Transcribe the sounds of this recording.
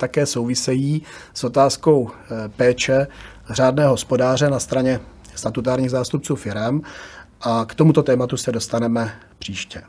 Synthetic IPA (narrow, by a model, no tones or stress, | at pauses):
t̪akɛːso̞wvɪsɛjiːsʔo̞t̪aːsko̞wpɛːt͡ʃɛ | r̝aːdnɛːɦo̞spo̞daːrɛnast̪ɾaɲɛ | st̪at̪ut̪aːɾɲiːɣzaːst̪up̚t͡suːfɪɾɛmʔakt̪o̞mut̪o̞t̪ɛːmat̪usɛdo̞st̪anɛmɛ | pr̥iːʃcɛ